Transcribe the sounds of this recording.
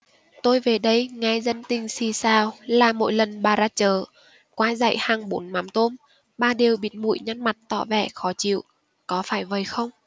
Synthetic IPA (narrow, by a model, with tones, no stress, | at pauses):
t̪o˧jve˨˩ɗə˨˧jŋa˧jzə˧nt̪ï˧˩ŋ̟si˧˩saː˧wlaː˨˩mo̰˧˨jlə˨˩nɓaː˨˩zaː˧t͡ɕəː˧˩ | kwaː˧˦za̰˧˨jhaː˨˩ŋɓo˨˦nma˨˦mt̪o˧m | ɓaː˧ɗi˨˩əwɓi˨˦n̚mṵ˧˨jɲa˧nma˨˩t̚t̪ɔ̰˧˨vɛ̰˧˩xɔ˨˦t͡ɕḭ˧˨əw | kɔ˨˦faː˧˩jvə˨˩jxə˧wŋ͡m